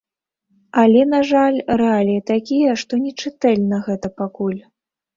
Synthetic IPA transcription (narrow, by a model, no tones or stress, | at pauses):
ɐlʲɛnaʐalʲrɛalʲijɐt̪akʲijɐʂt̪ɔnʲɛt͡ʂɨt̪ɛlʲnɐɣɛt̪ɐpakulʲ